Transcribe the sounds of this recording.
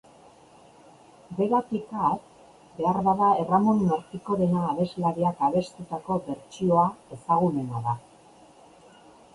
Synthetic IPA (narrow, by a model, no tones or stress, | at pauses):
d̪e̞ɾat̪ikat̪ | be̞aɾβaðae̞ramo̞nːeɾt̪iko̞ðe̞naːβe̞zlaɾiakaβe̞st̪ut̪ako̞βe̞ɾt͡ʃio̞ae̞saɣ̞ume̞naða